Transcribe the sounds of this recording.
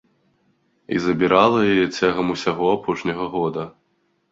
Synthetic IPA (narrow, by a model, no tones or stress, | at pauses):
ḭzɐbʲiɾalˠɐjajɛt͡sʲaɣɐmusʲaɣɔapʰɔʂnʲɐɣɐɣɔd̪ɐ